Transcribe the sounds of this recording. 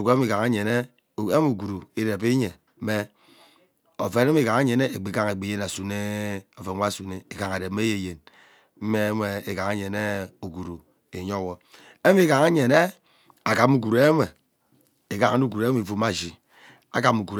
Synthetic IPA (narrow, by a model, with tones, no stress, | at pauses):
u˨ke˦mi˦˨ka˨ŋa˦ɲe˨ne˦˨ | e˦m˦u˨ɡu˨ɾu˨i˨de˨pi˦ɲe˨˦ | me˦ | o˨fe˨ne˦me˦˨ka˨ŋa˦ɲe˨ne˦e˨ɡ͡be˨ka˦ŋe˨ɡ͡be˨je˦na˨su˨ne˦o˨fe˨˦a˦˨su˨ne˦e˨ka˨ŋa˨de˨˦m˦e˦je˨je˨n | m̩˦me˦me˨e˨ka˨ŋe˦ɲe˨ne˦o˨ɡu˨ɾu˨ | e˨ɲo˦˨wo˨ | e˦m˦i˦ka˨ŋa˦ɲe˨ne˦ | a˨ka˨mu˦ku˨ɾe˦me˨ | e˨ka˨ŋa˨˦u˦ku˨ɾe˦m˦˨fo˨˦ma˦˨d͡ʒi˨ | a̰˦ka˨mu˨ku˨ɾ